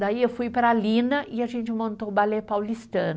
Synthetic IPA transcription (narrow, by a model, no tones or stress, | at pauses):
d̪aiewfujpɾɐalĩnɐʔɪaʒẽnt͡ʃɪmõnt̪obalepawlist̪ɐ̃n